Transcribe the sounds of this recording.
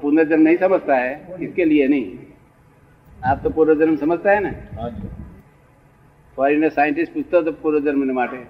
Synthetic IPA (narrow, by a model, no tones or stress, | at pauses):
pund̪ɾd͡ʒɐnmnɐɦĩsɐməd͡ʒʱt̪aɦɛɪskelienɐɦĩ | aːp̚t̪opuːɾad͡ʒɐnmsɐməd͡ʒʱt̪aɦɛna | pɔːɾinesaːjɪɳʈɪsʈpuːt͡ʃʰt̪ot̪̬opuːɾəd͡ʒɐnmnemaːʈe